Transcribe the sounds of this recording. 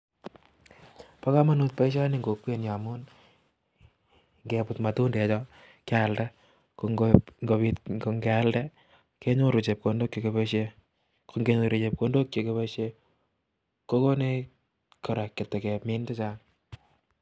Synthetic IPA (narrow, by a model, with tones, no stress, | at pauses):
pa˦ka˦ma˦nut̚pa˦iʃa˦neŋɡo˨kwe˦nja˨mun | ŋɡepʊ˨tma˨tu˦nde˨t͡ʃɔ˦ | kalda˦ | koŋɡopitɡo˨ŋɡealde˦ | ke˦ɲo˦ɾu˨t͡ʃe˨p̚kondo˦kje˨kepeʃe | kʰoŋɡe˦ɲu˨ɾet͡ʃe˨p̚kondo˦kje˨kepe˦ʃe | ko˦ko˦ne˦ | ko˨ɾa˨kːe˨tːɛ˨kɛmɪ˦nte˦t͡ʃa˦ŋ